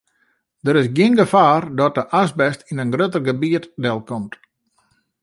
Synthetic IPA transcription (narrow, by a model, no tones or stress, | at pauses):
dəɾɪsɡjɪənɡəfaːrdɔt̚dəʔasbɛstinənɡrøtərɡəbiətdɛlˠkɔmt